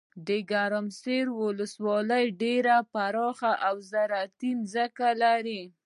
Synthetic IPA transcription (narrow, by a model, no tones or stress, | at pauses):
d̪əɡaɾamseɾwʊləswɑləjɖeɾapaɾɑxaʔawzaɾat̪imzəkalaɾi